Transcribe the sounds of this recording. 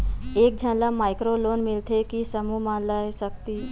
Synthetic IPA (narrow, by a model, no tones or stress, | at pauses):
ek̚d͡ʑʱə̃nlamajkɾolonmilt̪ʰekisəmuːmanlaɦesək̚t̪iː